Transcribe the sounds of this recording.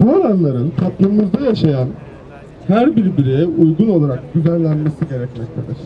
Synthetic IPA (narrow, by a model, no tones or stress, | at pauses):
buaɾanlˠaɾɯnt̪ʰaplˠɯmmuzd̪ajaʃajan | hæɾbiɾbiɾijɛʔujɡuno̞lˠaɾak̚ɟ̪yzænlʲænme̞siɟe̞ɾɛcmɛct̪ʰelʲiɾ̥